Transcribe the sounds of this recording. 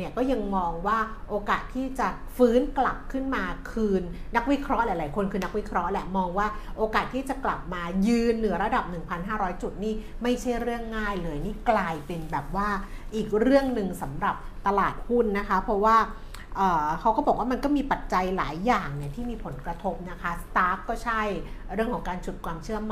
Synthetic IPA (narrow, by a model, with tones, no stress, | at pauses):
i˧˩əkɔː˥˩ja˧ŋmɔː˧ŋwaː˥˩ʔoː˧kaː˨˩t̪ʰːiː˥˩t͡ɕa˨˩ | fɯː˦˥nkla˨˩p̚kʰɯ˥˩nmaː˧kʰɯː˧nːa˦˥k̚wi˦˥kʰɾɔ˦˥ʔlɛ˨˩˦jlaː˨˩˦jkʰo˧nkʰɯː˧na˦˥k̚wi˦˥kʰɾɔ˦˥ʔlɛ˧˩mɔː˧ŋwaː˥˩ʔoː˧kaː˨˩t̪ʰːiː˥˩t͡ɕa˨˩kla˨˩p̚maː˧jɯː˧nːɯ˨˩˦ɐɾa˧da˨˩p̚nɯ˨˩ŋpʰa˧nɦaː˥˩ɾɔː˦˥jt͡ɕu˨˩t̪̚niː˥˩ | ma˥˩jt͡ɕʰa˥˩jɾɯ˥˩əŋːaː˥˩jlɤː˧jniː˥˩klaː˧jpe˧nbɛː˨˩p̚waː˥˩ʔiː˨˩k̚ɾɯ˥˩əŋnɯ˨˧ŋsa˩˦mɾa˨˩p̚t̪a˧laː˨˩t̪̚hu˥˩nːa˦˥kʰa˦˥pʰɾɔ˦˥waː˥˩ | ʔɤː˨˩kʰa˦˥wkɔː˥˩bɔː˨˩k̚waː˥˩ma˧nkɔː˥˩miː˧pa˨˩t̪̚t͡ɕa˧jla̰ː˩˦jːaː˨˩ŋni˧˩ɐt̪ʰiː˥˩miː˧pʰo˩˦nkɾa˧t̪ʰo˦˥p̚na˦˥kʰa˦˥st̪aː˦˥kkːɔː˥˩t͡ɕʰa˥˩jɾɯ˥˩əŋkʰɔ˨˩˦ŋkaː˧nt͡ɕu˨˩t̪̚kwaː˧mt͡ɕʰɯ˥˩əma˨